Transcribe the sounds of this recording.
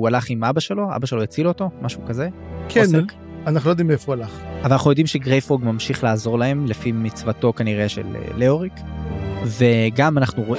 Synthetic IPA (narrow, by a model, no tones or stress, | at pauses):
ualaχimabaʃe̞lo̞a̰baʃelojet͡siloto̞mʔaʃukaze̞kʰen | anaχnulojd̪imefoualaχavalanaχnujo̞d̪imʃeɡʁejfoɡmamʃiχlaːzo̞ʁlahe̞mlefimit͡svato̞kaniʁe̞ʃḛlḛːeoʁik | ve̞ɡamanaχnuʁo̞ʔ